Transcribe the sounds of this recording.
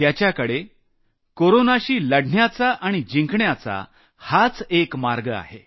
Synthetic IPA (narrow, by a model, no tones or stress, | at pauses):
t̪jat͡ɕjakəɽe | koɾonaɕiːləɽɳjat͡saʔaɽ̃id͡ʑiŋkɳjat͡sa̰ | hat͡sekmaɾɡəa̰ɦe